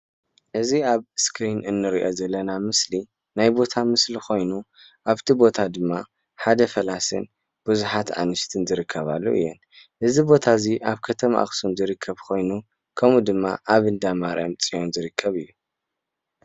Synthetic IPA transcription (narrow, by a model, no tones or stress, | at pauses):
ʔɨziaβskʰɾinɨnːɨɾiʔo̞zɐlːɐnamɨsli | najbo̞t̪ʰamɨslikʰo̞jnu | ʔaβt̪ʰibo̞t̪ʰad̪ɨmːa | ħad̪ɐfɐlasɨ̰n | b̥uzuħat̪ʔa̰nɨʃt̪ʰɨnzɨɾɨkʰːɐβa̰lːo̰ʔɨ̰jːɛn | ʔɨzibo̞t̪ʰaziʔaβkʰɐt̪ʰɐmʔa̰xsunzɨɾɨkʰːɐβkʰo̞jnu | kʰɐmud̪ɨmːa̰ʔaβɨnd̪amaɾamt͡sʼijo̞nzɨɾɨkʰːɐβɨjːu